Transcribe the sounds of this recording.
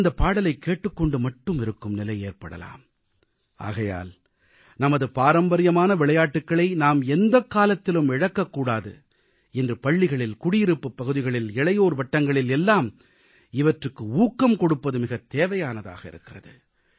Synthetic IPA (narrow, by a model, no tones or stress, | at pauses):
nd̪ɐpːaːɽɐlɐɪkːeːʈːɯkːɔɳɖɯmɐʈːɯmɪɾɯkːɯmnɪlɐɪeːrpɐɽɐ̰la̰ːm | ʔa̰ːɣɐja̰ːl | nɐmɐðɯpaːɾɐmbɐɾɪjɐmaːnɐʋɪɭɐjaːʈːɯkːɐɭɐɪnaːmɛnd̪ɐkːaːlɐt̪ːɪlɯmɪɻɐkːɐkːuːɽaːðɯ̰ | ɛndrɯpɐɭːɪɣɐɭɪlkʊɽɪjɪɾɯpːɯpːɐɣɯðɪɣɐɭɪlɛɭɐɪjoːɾʋɐʈːɐŋɡɐɭɪlɛlːaːm | ɪʋɐʈrɯkːɯuːkːɐmkɔɽɯpːɐðɯmɪɣɐt̪ːeːʋɐjaːnɐða̰ːɣɐɪ̰ɾɯkːɪrɐ̰ðɯ